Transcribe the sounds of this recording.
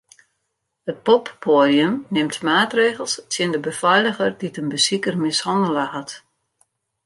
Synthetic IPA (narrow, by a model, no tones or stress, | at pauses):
ət̚pɔpːoːdiəmnɪmtmaːtreːɣəlˠstʰjəndəbəfɛjləɣərditənbəsikərmɪshɑndələhat